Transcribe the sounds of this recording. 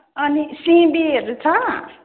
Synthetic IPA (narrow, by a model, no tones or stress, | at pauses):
ʌnisĩbieɾut͡sʰʌ̃